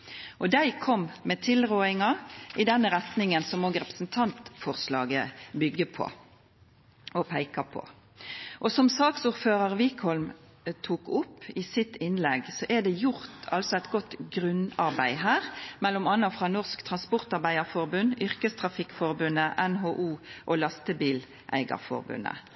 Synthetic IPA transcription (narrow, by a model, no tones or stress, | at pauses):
ʔɔd̪æɪkʰɔmmɛːt̪ʰɪlʁoːɪŋɑʔɪd̪ɛnːəʁɛt̪nɪŋənsɔmoːɡʁɛpə̥snt̪ʰɑnt̪fɔʁslɑ̰ːɡəbʏɡəpʰɔ̰ | ɔpʰæɪkɑpʰɔ̰ | ʔɔsɔmsɑːksʊːʁføːʁɑʁʋikʰhɔlm | t̪ʰuːkʊpːisɪt̪ɪnlɛɡsɔʔɛd̪ɛjʊʁt̪ʰɑ̰lsɔæɪt̪ɡɔt̪ɡʁʉnɑʁbæɪɦæːʁmɛlːɔmɑnːɑfʁɑnɔʁskt̪ʰʁɑnspʊʁt̪ɑʁbæɪɑʁfɔʁbʉnʏʁkəst̪ʰʁɑfɪkːfɔʁbʉnəʔɛnɦoːʔuːʔoːlɑst̪əbiːl | ʔæ̰ɪɡɑ̰ʁfɔ̰ʁbʉ̰nə̰